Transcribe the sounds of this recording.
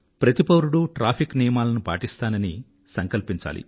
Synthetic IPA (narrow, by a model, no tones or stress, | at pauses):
pɾɐt̪ipɐwɾuɽuʈɾaːpʰiknijɐmaːlɐnupa̰ːʈist̪aːnɐni | sɐŋkɐlpiɲt͡ʃa̰ːlḭ